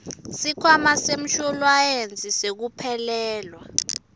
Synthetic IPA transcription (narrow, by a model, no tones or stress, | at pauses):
sikʰwamasem̩ʃɔlwajend͡zʱisek̬upʰɛlɛːlwa